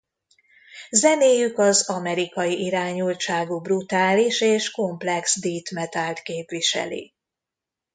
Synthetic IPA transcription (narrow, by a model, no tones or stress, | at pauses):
zɛneːjykɒzɒmɛɾikɒjiʔiɾaːɲult͡ʃaːɡubrut̪aːliʃeːʃko̞mplɛksd̪iːt̪mɛt̪alt̪keːpʋiʃɛ̰lḭ